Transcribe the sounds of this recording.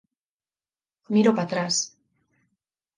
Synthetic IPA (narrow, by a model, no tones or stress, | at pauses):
miɾopat̪ɾas